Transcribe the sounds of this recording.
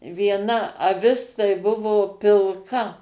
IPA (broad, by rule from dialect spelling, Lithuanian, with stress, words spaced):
ʋʲiɛˈnɐ ɐˈʋʲɪs tɐɪ ˈbʊʋoː pʲɪlˠˈkɐ